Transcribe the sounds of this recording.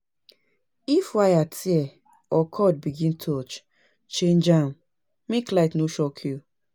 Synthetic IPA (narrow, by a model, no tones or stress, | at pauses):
ifwajatʰiɛ | ɔkʰɔd̚biɡĩntʰɔt͡ʃ | t͡ʃẽnd͡ʒa | miklaɪtnoʃɔkʰju